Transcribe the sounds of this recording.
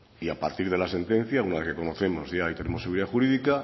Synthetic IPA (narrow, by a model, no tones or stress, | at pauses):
iapa̰ɾt̪iɾð̞e̞lase̞nt̪ẽ̞n̟θjaunaðekeko̞noθe̞mo̞zʝaajt̪e̞ne̞moeɣuɾiðaxuɾiðika